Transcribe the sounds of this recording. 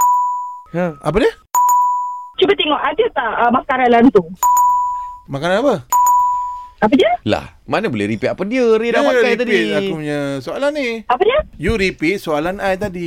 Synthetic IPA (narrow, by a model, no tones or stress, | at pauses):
ə̃a̰p̬ədiə | t͡ʃubat̪ɛŋɔʔaɡət̪aəmakaɾanlant̪u | makananapə | ap̬ədiəla̰hmanəbolɛ̰ɾipit̪apəndiəɾidapakajt̪̬adiakupuɲasoalanːiapədiəjuɾipit̪̚soalanajt̪̬adi